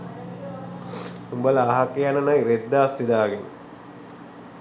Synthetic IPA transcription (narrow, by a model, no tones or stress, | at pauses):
umbalɐːɦakejanənajɾed̪ːaːsːid̪aːɡen̰